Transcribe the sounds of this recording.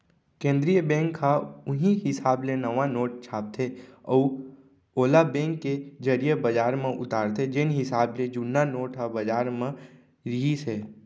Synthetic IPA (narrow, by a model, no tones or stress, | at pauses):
kẽːnd̪ɾijəbɛ̃ːŋkʰhaʊɦĩɦɪsaːblenəʋanoːʈ̚t͡ʃʰaːp̚t̪ʰeɔː | oːlabɛ̃ːŋkːed͡ʒəɾijəbɐd͡ʒaːɾmẽʔʊ̰t̪aːɾt̪ʰed͡ʒɪnɦɪsaːbled͡ʒʊnːanoːʈɦabɐd͡ʒaːɾmẽ | ɾiɦisɛː